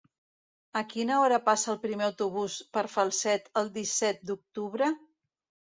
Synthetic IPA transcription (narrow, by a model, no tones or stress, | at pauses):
əkinəɔɾəpasəːlˠpɾimeəwt̪uβuspəɾfəlˠsɛt̪əlˠd̪isɛt̪̚d̪uk̚t̪uβɾə